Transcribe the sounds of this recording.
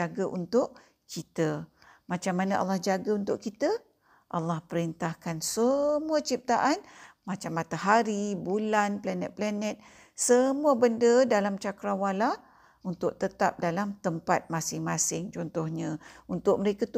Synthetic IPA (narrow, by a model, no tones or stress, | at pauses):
aɡəʔunt̪ʊʔ | kit̪ə | mat͡ʃamːanəʔa̰lːahd͡ʒaɡəunt̪ʊʔkit̪ə | ʔalːahpəɾint̪ahkansəmuat͡ʃip̚t̪aʔanmat͡ʃamːat̪aɦaɾibulanplanɛ̰t̪̚planɛt̪̚ | səmuabəndədalamt͡ʃakɾawalah | unt̪ʊk̚t̪ət̪a̰p̚dalamt̪əmpat̪̚masɪŋmasɪŋt͡ʃɔnt̪ɔhɲəunt̪ʊʔ̚məɾekat̪